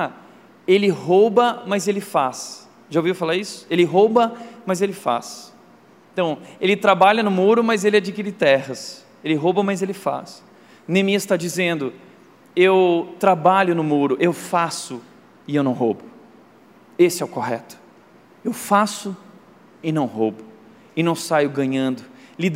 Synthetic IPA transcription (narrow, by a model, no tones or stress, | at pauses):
a | elɪɦobɐmɐzelɪfas | ʒawvivʊfalaisʊ̥elɪɦobɐmɐzelɪfa̰s | ẽt̪ɐ̃w̃elɪt̪ɾabaʎɐnʊmuɾʊmɐzelɪad͡ʒikiɾɪt̪ɛhɐs | elɪɦobɐmɐzelɪfa̰s | nemiɐst̪ad͡ʒizẽnd̪ʊ | ewt̪ɾabaʎʊnʊmuɾʊʔewfasʊ | ɪewnɐ̃w̃ɦobʊ | esɪɛʊkohɛt̪ʊ̥ | ewfasʊ | ɪnɐ̃w̃ɦobʊ | ɪnɐ̃w̃sajʊɡɐ̃ɲɐ̃nd̪ʊlid̪